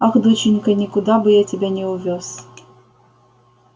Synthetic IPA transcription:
axd̪ɨt͡ɕɪnʲkɐnʲɪkʊd̪abɨjatʲɛbʲanʲɛʊvʲos

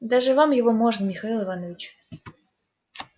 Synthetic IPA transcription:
d̪aʐɨvamjɪvomoʐnəmʲɪxɐilˠɨvanəvʲɪt͡ɕ

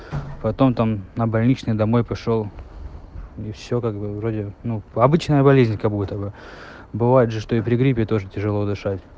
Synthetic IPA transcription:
pɐt̪o̞mt̪amnəbɐlʲnʲit͡ɕnɨjd̪ɐmo̞jpɐʂo̞lˠ | ifsʲokaɡbɨvɾo̞dʲɪnuɐbɨt͡ɕnəjəbɐlʲezʲnʲkɐbut̪əbɨ | bɨvajɪt̪ʐɨʂt̪o̞ɪpɾʲɪɡɾʲipʲɪt̪o̞ʐɨtʲɪʐɨlˠo̞d̪ɨʂatʲ

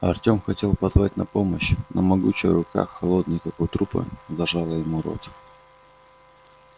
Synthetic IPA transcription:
ɐ̰rtʲo̞mxɐtʲe̞lˠpɐzvatʲnɐpo̞məɕnəmɐɡut͡ɕɪ̰jɾʊka̰xːɐlˠo̞d̪nɨjkakʊt̪ɾupɨ̰zɐʐalˠəjɪmuɾo̞̰t̪

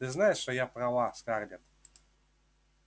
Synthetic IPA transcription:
t̪ɨznajɪʂt̪ojapɾɐlˠaskardʲɪt̪

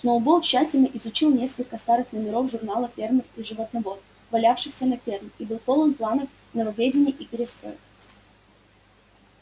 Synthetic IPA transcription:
snoʊbolˠkɕːætʲɪlʲnəʔɪzʊt͡ɕilˠnʲe̞skəlʲkəst̪aɾɨxnəmʲɪɾo̞fʐʊrnalˠəfʲe̞rmɨxiʐɨvət̪nɐvot̪ | vɐlʲafʂɨxsʲənɐfʲermibɨlˠpolˠənplˠanəf | nəvɐvʲedʲɪnʲɪjəʔipʲɪɾʲɪst̪ɾo̞̰jɪ̰

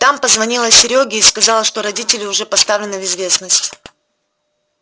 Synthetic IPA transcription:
t̪ampəzvɐnʲilˠəsʲɪɾʲoɡʲɪːskɐzalˠəʂt̪o̞ɾɐdʲitʲɪlʲɪʊʐɛpɐst̪avlʲɪnɨvɪzvʲe̞snəsʲtʲ

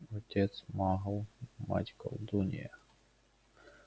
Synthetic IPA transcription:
ɔtʲɛt̪smaɦəlˠma̰tʲkɐ̰lˠd̪unʲɪ̰jɐ

